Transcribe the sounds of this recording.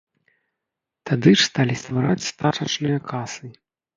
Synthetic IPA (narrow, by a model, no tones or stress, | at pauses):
t̪ad̪ɨʂst̪alʲist̪vaɾat͡sʲst̪at͡ʂɐt͡ʂnɨjɐkʰasɨ